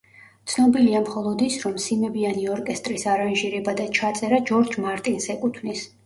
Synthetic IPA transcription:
t̪sʰnɔbiliamχɔlˠɔd̪isɾɔmsimɛbianiɔɾkʼɛst̪ʼɾisaɾanʒiɾɛbad̪at͡ʃʰat̪sʼɛɾad͡ʒɔɾd͡ʒmaɾt̪ʼinsɛkʼut̪ʰvnis

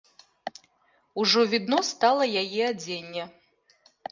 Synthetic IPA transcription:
uʐɔvʲid̪nɔst̪alˠɐjajiad͡zʲenʲːɛ

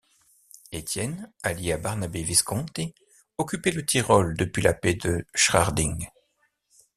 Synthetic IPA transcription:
et̪jɛnaljiabaʁnabeviskɔ̃t̪e | ɔkʲypɛlət̪ʰiʁɔld̪əpɥilaped̪əʃχaʁd̪ĩŋ

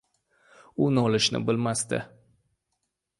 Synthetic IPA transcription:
unoləʃnə̰bəlmast̪ɛ̰

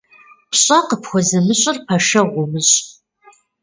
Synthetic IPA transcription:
pʰɕʼɐqəpʰχʷɔzɐmɨɕʼʊrpʰɐʃɐʁʷʊmɨɕʼ

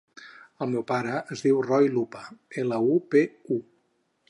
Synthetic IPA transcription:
əlˠmewpaɾəəzðiwrɔjlupəeləupeu

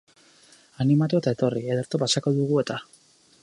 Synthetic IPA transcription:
animat̪uet̪aet̪o̞rieðeɾt̪opasako̞ðuɣ̞ue̞t̪a

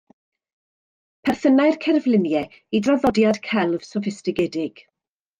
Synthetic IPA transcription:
pʰɛrθənajrkʰɛrvlɪmjɛ | idrɔðɔdjad̥kʰɛlˠv̥sɔfɪstɪɡɛdɪɡ̥

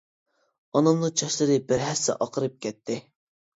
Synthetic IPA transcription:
ɑnɑmnɨŋt͡ʃʰɑʃlˠɨɾɨbɪɾɦɛsːɛ̰ʔɑqʰəɾɨp̚kʲɛt̪ʰːɪ

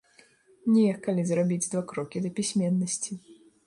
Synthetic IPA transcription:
nʲɛjɛkːalʲizrabʲid͡zʲd̪vakɾɔkʲid̪ɐpʲisʲmʲɛnːɐsʲt͡sʲi

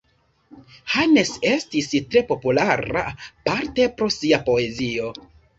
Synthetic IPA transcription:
hane̞se̞stistɾe̞po̞pulaɾa̰paɾte̞pɾo̞siapo̞e̞zio̞

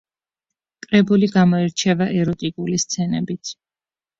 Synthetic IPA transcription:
kʼɾɛbuliɡamɔiɾt͡ʃʰɛvaʔɛɾɔt̪ʼikʼulist̪sʰɛnɛ̰bit̪ʰ

